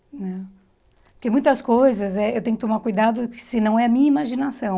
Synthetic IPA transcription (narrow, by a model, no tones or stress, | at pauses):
nɛ̃ | pʊɾkemũj̃t̪ɐskojzɐzɛewt̪ẽjʊkɪt̪õmaɾkujd̪ad̪ʊkɪ̥sɪnɐ̃w̃ɛɐmĩɲɐimaʒinasɐ̃w̃